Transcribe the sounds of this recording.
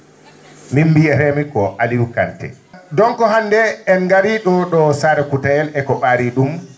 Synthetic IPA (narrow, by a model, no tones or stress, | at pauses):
mimbijɛɾɛmikɔʔaliwukantɛ̰ | dɔŋkɔɦandɛɛnɡaɾiɗɔɗɔsaɾɛkutajɛlɛkɔɓaːɾiɗum